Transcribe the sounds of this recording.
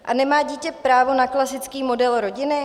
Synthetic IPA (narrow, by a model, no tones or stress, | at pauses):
ʔanɛmaːɟiːcɛpɾaːvonaklasɪt͡skiːmo̞dɛlɾo̞ɟɪnɪ